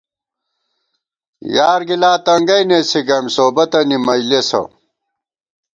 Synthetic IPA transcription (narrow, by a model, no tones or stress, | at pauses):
jaːɾɡilaːt̪ɐŋɡɐjnesiɡɐmsoːbɐt̪ɐnimɐjlesɐ̰